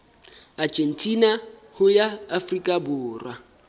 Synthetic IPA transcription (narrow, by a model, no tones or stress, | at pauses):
ad͡ʒʼen̩tʼina | hʊjaːfrikʼabʊːrwa